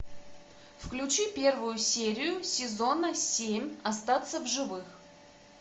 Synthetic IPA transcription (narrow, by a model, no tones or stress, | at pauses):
fklʲʉt͡ɕipʲe̞rvʊjʊsʲeɾʲɪjʊsʲɪzo̞nəsʲemʲɐst̪at̪səvʐɨvɨx